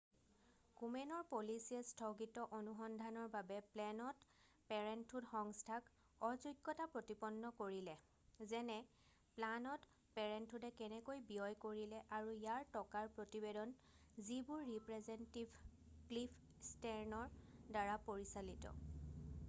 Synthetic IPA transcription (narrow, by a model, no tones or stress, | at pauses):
kumɛnɔɹpolisiɛstʰɔɡitɔʔonuxɔndʱanɔɹbabɛplɛnɔt | pɛɹɛntʰːutxɔŋstʰak | ɔzuɡːɔtapɹotipɔnːɔkoɹilɛ | zɛnɛ | planɔt | pɛɹɛntʰudɛkɛnɛkojbiɔjkoɹilɛʔaɹujaɹtɔkaɹpɹotibedɔnzibʊɹːipɹɛzɛntibʱklipʰ | stɛɹnɔɹdaɹapoɹisalitɔ̰